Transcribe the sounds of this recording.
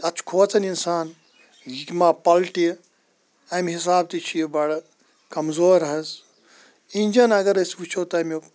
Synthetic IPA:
ɐt͡ʃʰkʰoːt͡sɐninsaːn | jikmaːpɐlʈi | ɐmɦis̬aːbt̪it͡ʃʰijbɐɽ | kɐmzoːɾɐɦɐz | inʲd͡ʒɐnɐɡɐɾɐsut͡ʃʰot̪ɐm

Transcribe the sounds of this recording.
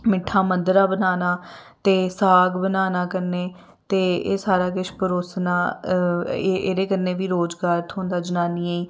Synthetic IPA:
mɪʈʰːãːmənd̪əɾaːbənaːnaːt̪eːsaːɡbənaːnaːkəɾneː | t̪ḛːsaːɾaːkɪt͡ʃʰpəɾoːsnaː | eʔeːɾeːkəɾneːʋiːɾoːd͡ʒɡaːɾt̪ʰɦõːnd̪aːd͡ʒənaːniːaːiː

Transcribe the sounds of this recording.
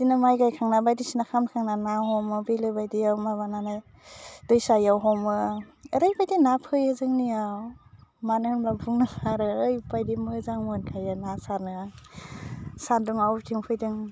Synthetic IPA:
sinamajɡajkʰaŋnabajdisinakʰamkʰaŋnanaɦɔmɯbilɯbajdiawmaβanana | d̥ɯjsajawɦɔmɯəɾajbajdinapʰɯjɯzɯŋnijawmanɯɯnblabuŋnɯkʰaɾɯːjpajdimɯzaŋmɯnkʰajanasaɾnɯ | sanduŋawtʰiŋpʰɯjdɯŋ

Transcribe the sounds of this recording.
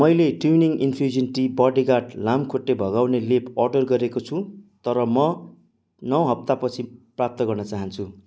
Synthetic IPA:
mʌjleʈuwniŋinfʰrid͡ʒʌnʈibʌɖiɡaʈlamkʰoʈːebʱʌɡawnelepʌrɖʌrɡʌɾekot͡sʰũt̪ʌɾʌmʌ | nʌwɦʌp̚t̪apʌt͡sʰiprap̚t̪ʌɡʌrnʌt͡saɦʌnt͡sʰu

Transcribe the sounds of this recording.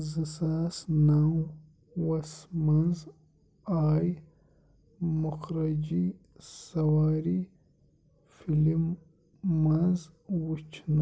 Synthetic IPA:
zɐsaːsnaw | wɐsmɐnz | aːj | mʊxɾɐd͡ʒi | sɐwaːɾi | filimː | ɐnz | wut͡ʃna

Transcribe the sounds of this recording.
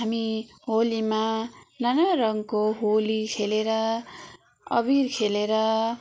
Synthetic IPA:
ɦami | ɦolimananʌrʌŋkoɦolikʰeleɾʌ | ʌ̰birkʰeleɾʌ

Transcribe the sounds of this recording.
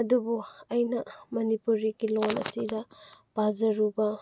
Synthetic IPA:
ɐdubuɐjnɐmɐnipuɾiɡilonɐ̰sidɐb̥azɐɾubɐ

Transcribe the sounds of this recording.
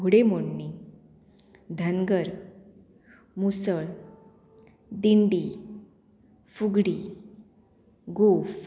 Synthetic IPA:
uɽemoɳni | d̪ʱənɡəɾ | musəɭ | d̪iɳɖi | fuɡɽi | ɡof

